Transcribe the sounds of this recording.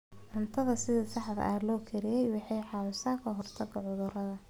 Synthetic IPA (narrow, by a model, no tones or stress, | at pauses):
ʕʊnt̪ʰɐðɐsɪðɐsɑħðɐ̰ʔaːlɔːkʰɛɾɪjɛjwɑħɑjħɑːwʊsaːkʰɐɦɔrt̪ʰɐɡɐʕʊðʊrɐðɐ